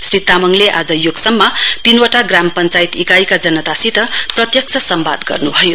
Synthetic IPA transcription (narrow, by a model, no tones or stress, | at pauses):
srit̪amʌŋleʔa̰d͡zʌjoɡsʌmːʌt̪inwʌʈaɡrampʌnt͡sajit̪ikajkad͡zʌnʌt̪asit̪ʌprʌt̪jʌk̚st͡sʰʌsʌmba̰d̪ɡʌ̰rnubʱʌjo